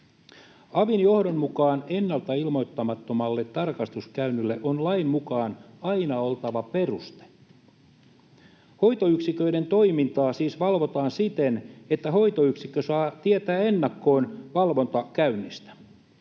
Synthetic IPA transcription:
ɑʋinjo̞hdonmukɑːne̞nːɑlt̪ɑilmo̞jt̪ːɑmɑt̪ːo̞mɑlːet̪ːɑrkɑst̪uskæynːylːeʔonlɑimmukɑːnɑinɑolt̪ɑʋɑpe̞rust̪e̥ | ho̞jt̪oyksikø̞ide̞nt̪o̞imint̪ɑːsiːsʋɑlʋo̞t̪ɑːnsit̪enet̪ːæho̞jt̪oyksikːøsɑːt̪iet̪æːenːɑkːo̞ːnʋɑlʋo̞nt̪ɑkæynːist̪æ̥

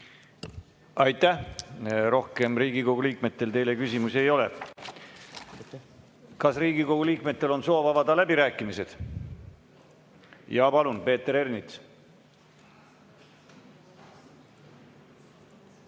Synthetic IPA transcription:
ɑjt̪ˑːæhɾo̞hke̞mriːɡiko̞ɡ̥uliːkme̞t̪ːe̞lt̪e̞jle̞kysimusejo̞le̞̰ | kɑsriːɡiko̞ɡ̥uliːkme̞t̪ːe̞lo̞nso̞ːvɑvɑd̪ɑlæbiɾæːkːˑimise̞d̪̥ | jɑpɑlunpe̞ːt̪ːe̞ɾe̞rnit̪s

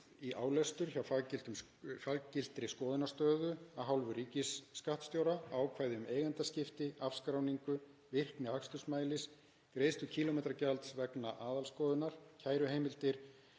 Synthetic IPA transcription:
iʔaːwlɛst̪ʏɾ̥çawfaɣcɪl̥t̪ʏm | faɣcɪl̥t̪ɾɪskɔːðɪnaɾ̥st̪œːðʏaɦawlvʏɾiːcɪsːkaht̪st̪jowɾaaːwkʰvaːjðɪʏmeːjɣant̪ascɪft̪ɪafskɾawniŋkʏ | vɪr̥knɪhakst̪ʏsmaːjlɪs | kɾeːjst̪ʏcʰiːlɔmejt̪ɾacalt̪svɛknaʔaːðalskɔːðʏnaɾ̥cʰaːjɾʏhejmɪlt̪ɪɾ̥

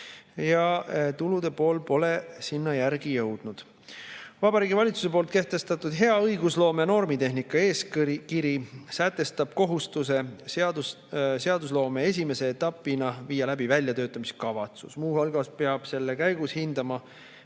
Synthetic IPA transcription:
jɑt̪ulud̪̥e̞po̞ːlpo̞le̞sinːɑjæɾɡ̥ijɤ̞wd̪̥nud̪̥ | vɑbɑɾiːɡivɑlʲit̪su̥s̬e̞po̞ːlt̪̚ke̞ht̪e̞st̪ɑt̪ːˑud̥̪ɦe̞ɑɤjɡuslo̞ːmeɑno̞rmit̪e̞ɦnikːˑɑe̞ːskkiɾisæt̪ːe̞st̪ɑb̥̚ko̞ɦust̪use̞sɑd̪u | seɑd̪us̬lo̞ːme̞e̞s̬ʲime̞se̞ːt̪ːˑɑpːˑinɑviːjɑlæbivælʲjɑt̪ø̞ːt̪ːˑɑmiskɑvɑt̪sṵsmuːɦɑlɡɑspe̞ɑb̥se̞lːekæjɡ̥ushind̪̥ɑmɑ

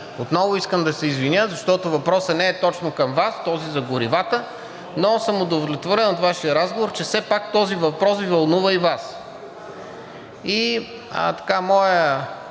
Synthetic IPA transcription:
ot̪nɔvʊiskəmd̪ɐsɛizvinʲjəzɐʃt̪ɔt̪ʊvɐpɾɔsənɛːt̪ɔt͡ʃnokɐmvast̪ɔzizɐɡʊɾivat̪ə | nosəmod̪ovlʲɛt̪voɾɛnot̪vaʃiəɾazɡovoɾt͡ʃɛfsɛpak̚t̪ɔzivɐpɾɔsvivɐlˠnuvəivas | i | ə̰t̪ɐ̥kamɔjə

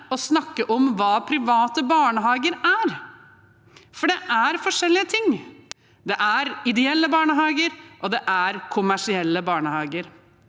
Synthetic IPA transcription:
ɔsnɑkːəʔɔmʋɑːpʰɾɪʋɑːt̪əbɑːɳəɦɑːɡəɾæɾ | fɔɖɛʔæɾfɔʂɛlːɪət̪ʰɪŋː | d̪ɛʔæɾɪd̪ɛɛlːəbɑːɳəɦɑːɡəɾʔɔd̪ɛʔæɾkʰʊmæʂɪɛlːəbɑːɳəhɑːɡəɾ

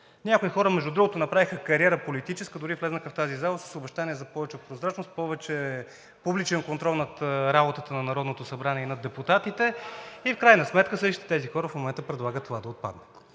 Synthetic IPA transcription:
nʲakoixɔɾəmɛʒd̪ud̪ɾuɡot̪onɐpɾavixəkɐɾʲiɛɾəpolit̪it͡ʃɛskəd̪ʊɾiflɛznəkəft̪azizalˠəsə̥sʊbɛʃt̪aniɛzɐpɔvɛt͡ʃɛpɾozɾat͡ʃnost̪̚pɔvɛt͡ʃɛ | publit͡ʃɛnkont̪ɾɔlˠnɐt̪ɾabot̪ət̪ənɐnɐɾɔd̪not̪osɐbɾaniɛinɐd̪ɛput̪at̪it̪ɛifkɾajnəsmɛt̪kəsɤʃt̪i̥t̪ɛ̥t̪ɛzixɔɾəfmomɛnt̪əpɾɛd̪lˠaɡət̪ːovad̪ɐot̪̚pa̰d̪nət̪

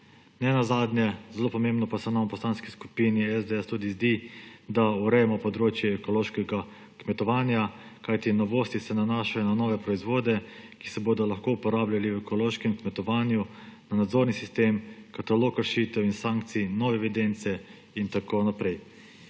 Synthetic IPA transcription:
nɛnazad̪njɛzɛlopɔmembnɔpasɛnampɔslanskisku̥piniɛzd̪eɛst̪ud̪izd̪id̪auɾɛjɛmɔpɔd̪ɾoːt͡ʃjɛːkɔloːʃkɛɡa | kmɛt̪ɔʋaːnjakajt̪inɔʋoːst̪isɛnanaːʃajɔnanɔːʋɛpɾɔizʋoːd̪ɛkisɛboːd̪ɔlɐxkoupɔɾaːblʲaliwɛkɔloːʃkɛmkmɛt̪ɔʋaːnjunanad̪zoːɾnisist̪eːmkat̪aloːkəɾʃit̪ɛwinsaŋk̚t̪sinɔːʋɛːʋid̪ent̪sɛ | int̪akonapɾɛj

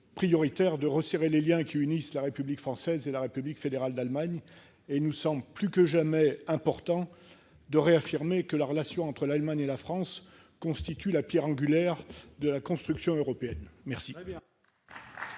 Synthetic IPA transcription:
pχijɔʁit̪ɛʁd̪əʁəseʁeleljɛ̃kʲʰiynislaʁepyblikfχɑ̃sɛzelaʁepyblikfed̪eʁald̪almaɲ | eilnusɑ̃bləplykəʒamɛɛ̃pɔʁt̪ɑ̃ | d̪əʁeafiʁmekəlaʁəlasjɔ̃ɑ̃t̪χəlalmaɲelafχɑ̃s | kɔ̃st̪it̪ylapjɛʁɑ̃ɡʲylɛʁd̪əlakɔ̃st̪χyksjɔ̃øʁɔpeɛnmɛʁsi

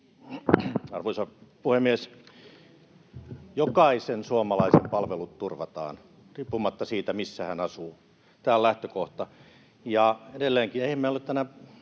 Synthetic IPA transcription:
ɑrʋoisɑpuhemːies | jokɑisensuɑmɑlɑisempɑlʋelut̪t̪urʋɑt̪ɑ̰ːn | riːpːumɑt̪ːɑsiːt̪æmisːæhænɑsuː | t̪æːllæht̪økoht̪ɑ | jɑedelːeːŋkineihæmːeolet̪t̪ænæ

